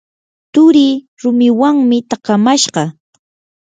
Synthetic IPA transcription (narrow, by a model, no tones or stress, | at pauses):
t̪ʊɾɪ | ɾʊmɪwaŋmɪt̪ɑqɑmaʃɢɑ